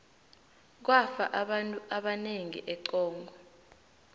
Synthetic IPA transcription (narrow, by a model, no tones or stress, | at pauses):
k̬wafaʔʼuaɓaneŋḭʔɛǀɔːŋɡʱɔ